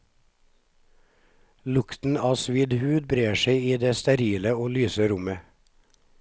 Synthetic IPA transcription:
lʊkt̪n̩ɑːsʋiːd̪hʉːd̪̚bɾeːʃeɪiːd̪eːst̪ɛɾiːləoːlyːsəɾʊmə

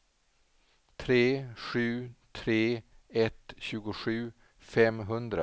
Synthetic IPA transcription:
t̪ʰɾeːɧʉ̟ːt̪ʰɾeːɛt̪ɕʉ̟ːɡʊɧʉ̟ː | fɛmɦɵnd̪ɾa

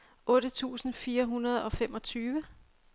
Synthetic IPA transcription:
ʔɔ̽ːɾ̥ət͡sʰṵːsn̩fiːɐɦunɐð̞ˠɒ̽fem̰ʔɒ̽t͡sʰyːʋə

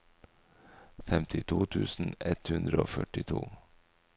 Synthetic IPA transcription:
fɛmt̪ʰɪt̪ʰuːt̪ʰʉːsn̩ɛt̪hʉnd̪ɾəoːfœʈɪt̪ʰṵː

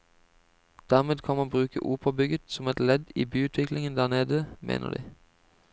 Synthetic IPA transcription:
d̪̥æːʁmeːd̪kʰɑnmɑnbʁʉːkə̰ʔuːpʰobʏɡət̪sɔmɛt̪lɛd̪ḭːbyːʉːt̪ʰʋɪklɪŋənd̪æːʁneːd̪əmʔḛːnʔə̰ʁd̪ḭː

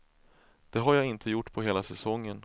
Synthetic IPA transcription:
d̪̥ɛɦaɾjaːɪnt̪ʰəjʊʈːpʰɔɦeːlasɛsɔŋːən

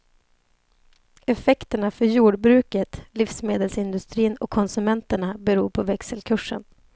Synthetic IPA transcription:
ɛfɛkt̪əɳafœɾjuːɖbɾʉ̟ːkət̪liːfsmeːd̪əlsɪnd̪ɵst̪ɾiːnɔ̰kʰːɔnsɵmɛnt̪əɳabɛɾuːɾpʰɔvɛksəlkʰɵʂə̰n

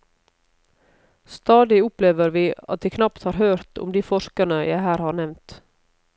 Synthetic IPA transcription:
st̪ɑːd̪ɪʊpleːʋəɾʋiːɑt̪̚d̪ɛːkʰnɑpt̪hɑːɾhøːɾt̪ʰʊ̰md̪iːfɔʃkənəjæɪhæːɾhɑːɾɳɛʋnt̪

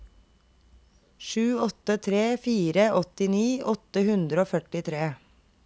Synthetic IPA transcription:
ʃʉːɔt̪ət̪ʰɾeːfiːɾəʔɔt̪ɪniːʔɔt̪əhʉnd̪ɾəoːfœʈɪt̪ʰɾeː

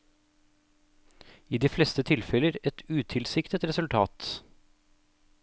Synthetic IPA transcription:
iːd̪iːflɛst̪ət̪ʰɪlfɛləɾɛt̪ʰʉːt̪ʰɪlsɪkt̪ət̪ɾɛsʉlt̪ʰɑːt̪

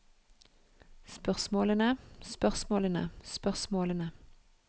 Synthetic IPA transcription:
spœʁsmoːlənəspœʁsmoːlənə̰spœʁsmoːlənə

